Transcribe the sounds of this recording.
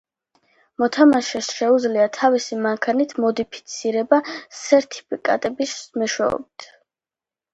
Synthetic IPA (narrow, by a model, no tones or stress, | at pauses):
mɔt̪ʰamaʃɛsʃɛud̪zliat̪ʰavisimaŋkʰanit̪ʰmɔd̪ipʰi̥t̪sʰiɾɛbasɛɾt̪ʰi̥pʰikʼa̰t̪ʼɛbismɛʃwɛɔ̰bit̪ʰ